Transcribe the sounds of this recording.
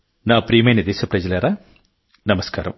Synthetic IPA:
naːpɾiːmɐnid̪eːɕɐprɐd͡ʑileːɾɐ | nɐmɐskaːɾɐ̰m

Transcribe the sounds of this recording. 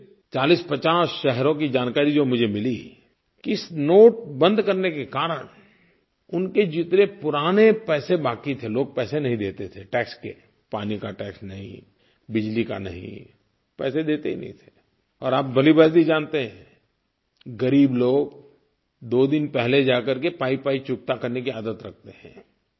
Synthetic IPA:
t͡ʃaːliːspɐt͡ʃaːsʃɛɦɾõkid͡ʒaːnkaːɾid͡ʒoːmʊd͡ʒʱemɪli | kɪsnoːʈ̚bə̃nd̪kɐɾnekekaːɾəñ | ʊnked͡ʒɪt̪nepʊɾaːnepɛːsebaːkit̪ʰeloːɡ̚pɛːsenɐɦĩd̪eːt̪et̪ʰeʈɛːkskḛ | paːnikaʈɛːksnɐɦḭ̃ | bɪd͡ʒlika̰nɐ̰ɦḭ̃ | pɛ̰ːsed̪eːt̪eɦḭnɐ̰ɦḭ̃t̪ʰe̥ | ɔːɾaːp̚bɐlibaːt̪id͡ʒãːnt̪eɦɛ̃ː | ɡɐɾiːbloːɡ | d̪oːd̪ɪnpɛɦled͡ʒaːkəɾkepaːipaːit͡ʃʊk̚t̪akɐɾnek̬iaːd̪ət̪ɾɐk̚ʰt̪eɦɛ̰̃ː

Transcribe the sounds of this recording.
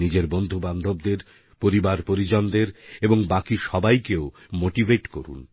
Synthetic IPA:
nid͡ʑeɾbond̪ʱuband̪ʱob̚d̪eɾ | poɾibaɾpoɾid͡ʑond̪eɾeboŋbakiʃɔbajkeo | moʈivʱeʈkoɾṵn

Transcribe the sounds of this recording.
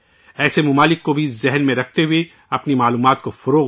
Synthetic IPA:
ɛːsemʊmaːlɪkːobʱizɛɦnmẽɾɐk̚ʰt̪eɦʊe | ɐpnimaːluːmaːt̪̚kofʊɾoː

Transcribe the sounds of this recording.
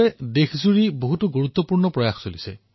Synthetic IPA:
edekʰzuɹiboɦutuɡuɹut̪ːɔpuɹnɔpɹɔjaxsolise

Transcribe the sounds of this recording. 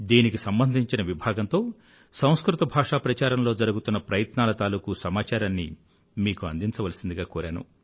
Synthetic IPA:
d̪iːnikisɐmbɐnd̪ʱiɲt͡ʃinɐʋibʱaːɡɐnt̪o̞ː | sɐ̃w̃skɾut̪ɐbʱaːʂaːpɾɐt͡ʃaːɾɐmlo̞ːd͡ʒɐɾuɡut̪unːɐpɾɐjɐt̪naːlɐt̪aːluːkusɐmaːt͡ʃaːɾaːnːḭ | miːkuɐ̰nd̪iɲt͡ʃɐʋɐlɐsind̪iɡaːkuːɾaːnṵ

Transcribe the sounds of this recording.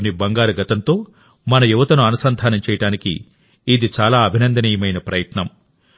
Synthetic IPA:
nibɐŋɡaːɾuɡɐt̪ɐnt̪o̞ː | mɐnɐjuʋɐt̪ɐnuɐnusɐnd̪ʱaːnɐmt͡ʃɛːjɐʈaːnikḭː | d̪it͡ʃaːlaːɐbʱinɐnd̪ɐniːjɐmɐjnɐpɾɐjɐʈnɐm

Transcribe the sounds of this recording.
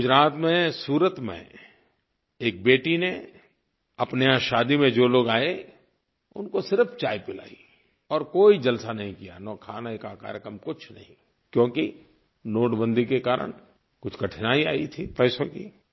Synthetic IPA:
ɡʊd͡ʒɾaːt̪mẽsuːɾət̪mḛ̃ | eːk̚beːʈine | ɐpneãʃaːd̪imẽd͡ʒoːloːɡaːe | ʊ̰nkosɪɾəfʰt͡ʃaːipɪla̰ːḭ | ɔːɾkoːid͡ʒɐlsanɐɦĩkija̰nɔːkʰaːnaekaka̰ːɾjəkɾəmkʊt͡ʃʰnɐ̰ɦĩ | kjõːki | noːʈbə̃nd̪ʱikekaːɾə̰ñ | kʊt͡ʃʰkɐʈʰɪnaːia̰ːit̪ʰipɛːsõkḭ

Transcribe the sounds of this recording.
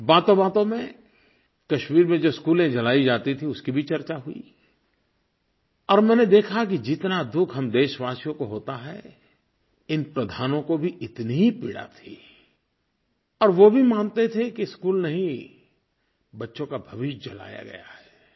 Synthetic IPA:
baːt̪õbaːt̪õmẽ | kɐʃmiːɾmẽd͡ʒoːskuːlẽd͡ʒɐlaːid͡ʒaːt̪it̪ʰĩʊskibʱit͡ʃɐɾt͡ʃaɦʊḭ | ɔːɾmɛ̃ːned̪eːkʰakid͡ʒɪt̪nad̪ʊkʰɦɐmd̪eːʃʋaːsijõkoɦoːt̪aɦɛ̰ | ɪnpɾɐd̪ʱaːnõkobʱiʔɪt̪niɦipɪɽa̰t̪ʰiː | ɔːɾʋobʱimãːnt̪et̪ʰekiskuːlnɐɦĩ | bɐtːʃõkabʱɐʋɪʃd͡ʒɐla̰ːja̰ɡɐ̰ja̰ɦɛː

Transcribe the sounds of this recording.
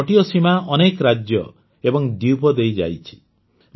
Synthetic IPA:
ʈijɔsimaɔnekɾad͡ʒjɔ | ebɔŋd̪iwpɔd̪ejd͡ʒa̰jt͡ʃʰi̥

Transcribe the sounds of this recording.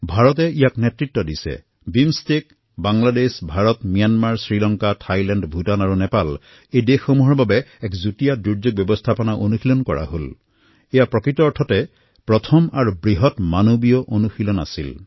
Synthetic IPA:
bʱaɹɔtɛijaknɛtɹitːɔdisɛ̰ | bimstek | baŋladesbʱaɹɔtmijanmaɹsɹilɔŋkatʰajlɛndbʱutanaɹunɛpal | ejdexomuɦɔɹbabɛɛkzutijaduɹzok̚bjɔbɔstʰapɔnaʔonuxilɔnkɔɹa̰ɦol | ejapɹɔkɹitɔɔtʰɔtɛ | pɹɔtʰɔma̰ɹubɹiɦɔtmanobijɔʔonuxilɔna̰sil

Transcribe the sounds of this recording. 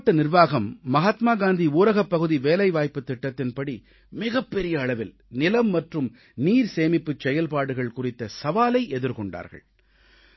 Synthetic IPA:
ʈːɐnɪɾʋaːɣɐmːɐɦaːt̪maːɡaːnd̪iuːɾɐɣɐpːɐɣɯðiʋeːlɐɪʋaːjpːɯt̪ːɪʈːɐt̪ːɪnpɐɽi | mɪɣɐpːɛɾɪjɐːɭɐʋɪl | nɪlɐmːɐʈrɯm | niːɾseːmɪpːɯt͡ʃːɛjɐlpaːɽɯɣɐɭkʊrɪt̪ːɐsɐʋaːlɐɪʔɛðɯɾkɔɳɖa̰ːɾɣɐ̰ɭ

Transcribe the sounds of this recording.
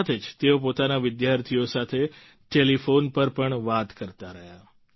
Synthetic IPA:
at̪ʰed͡ʒt̪eop̬ot̪anaʋɪd̪jaɾt̪ʰijosat̪ʰe | ʈelifonpəɾpəɳʋat̪kəɾt̪aɾəɦja

